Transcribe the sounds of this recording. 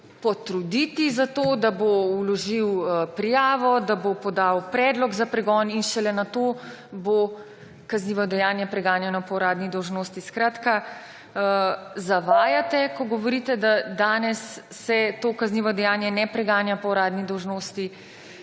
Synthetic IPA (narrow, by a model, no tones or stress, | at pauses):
pɔt̪ɾud̪it̪izat̪oːd̪aboulɔʒiwpɾijaːʋɔd̪abopɔd̪aːwpɾɛːd̪lɔɡzapɾɛɡɔːninʃɛlɛnat̪oːbo | kazniːʋɔd̪ɛjaːnjɛpɾɛɡaːnjanɔpɔwɾaːd̪nid̪ɔwʒnoːst̪iskɾaːt̪ka | zaʋaːjat̪ɛkɔɡɔʋɔɾiːt̪ɛd̪ad̪aːnɛsː | ɛt̪okazniʋɔd̪ɛjaːnjɛnɛpɾɛɡaːnjapɔwɾaːd̪nid̪ɔwʒnoːst̪i